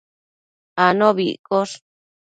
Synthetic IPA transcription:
anõβḭʔkoʂ

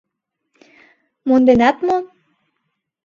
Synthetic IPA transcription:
mond̪enæt̪mo

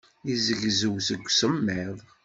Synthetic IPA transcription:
izəʝzəwsəɡʷːsəmːɪðˤ

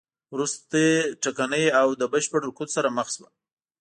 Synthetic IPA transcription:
wɾust̪eʈakanəjawd̪əbəʃpəɽɾʊkut̪saɾaməxswa̰

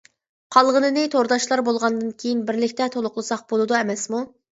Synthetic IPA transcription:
qʰɑlˠʁənɨnɨt̪ʰoɾd̪ɑʃlˠɑɾbolˠʁɑnd̪ɨnkʲʰejinbɪɾlɪkʲt̪ɛt̪ʰolˠʊqlˠɨsɑq̚bolˠɨd̪uɛmɛsmu

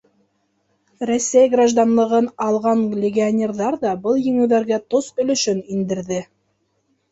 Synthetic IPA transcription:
ɾosːæjɡraʒd̪ɑnlˠɤ̆ʁɤnɑlˠʁɑnlʲɪɡʲɪanʲerðɑɾðɑbɤlˠjɘ̆ŋɘ̆wðæɾɡæt̪osbɵ̆lɵ̆ʃɵnind̪ɘ̆ɾðɘ

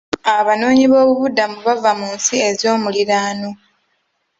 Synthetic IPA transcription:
aβano̞ːɲiβo̞ːβuβudːamuβavamuːnsie̞zjo̞ːmuliɾaːno

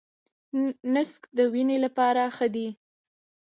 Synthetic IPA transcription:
nɪskd̪əwinelapɑɾaxəd̪i

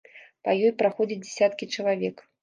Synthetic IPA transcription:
pajɔjpɾaxɔd͡zʲɐt͡sʲd͡zʲɛsʲat̪kʲit͡ʂɐlˠavʲɛk

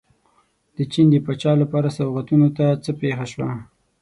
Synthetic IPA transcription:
d̪̥ət͡ʃind̪əpat͡ʃɑlapɑɾasawɣat̪unot̪at͡səpexaʃwa

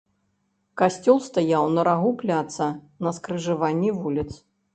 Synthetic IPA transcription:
kasʲt͡sʲɔlˠst̪ajawnɐɾaɣuplʲat̪sɐ | nɐskɾɨʐɨvanʲːivulʲit̪s

